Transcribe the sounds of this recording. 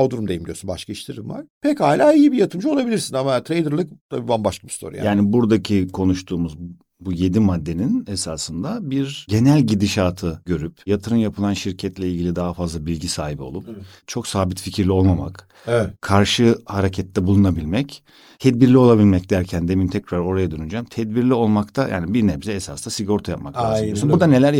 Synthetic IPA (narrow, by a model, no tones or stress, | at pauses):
od̪uɾumd̪ejimɟiosynbaʃkʰaiʃt̪ʰiɾimva̰ɾ̥pʰɛchaːilʲaːijibijat̪ʰɯmd͡ʒuolˠabilʲiɾsinamat̪ʰɾejd̪ɯɾlˠɯk̚t̪ʰabiːbanbaʃlˠabist̪ʰo̰ɾṵja̰jaːnibuɾd̪acʰikʰo̞nuʃt̪ʰuːmuz | buje̞d̪imad̪ːe̞ninesaːsɯnd̪abiɾɟe̞nælʲɟid̪iʃaːt̪ʰɯɟøɾypjat̪ʰɯɾɯmjapʰɯlˠanʃiɾcʰɛt̪lʲɛilʲɟilʲid̪aɦafazlˠabilʲɟisaːɦibio̞lˠup | t͡ʃʰo̞ksaːbit̪ficʰiɾlʲio̞lˠmama̰k | kʰːaɾʃɯhaɾecʰɛt̪ʰːɛbulˠunabilʲmɛc | t̪ʰɛd̪̚biɾlʲio̞lˠabilʲmɛc̚d̪æɾcʰænd̪emimt̪ʰɛcɾaɾo̞ɾajad̪ønyd͡ʒamt̪ʰɛd̪biɾlʲio̞lˠmakt̪ʰajʔa̰ːnibiɾnɛbizɛɛsaːsd̪asiɡoɾt̪ʰajap̚maklaoosunbuɾd̪anelʲæɾ